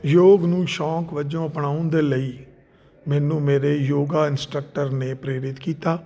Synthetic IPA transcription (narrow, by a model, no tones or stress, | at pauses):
joːɡnũːʃɔ̃ːkʋəd͡ʒõːəpnaːʊ̃nd̪eːləiː | mɛːnũːmeːɾeːjoːɡaːɪnsʈɾək̚ʈəɾneːpɾeːɾɪt̪kiːt̪aː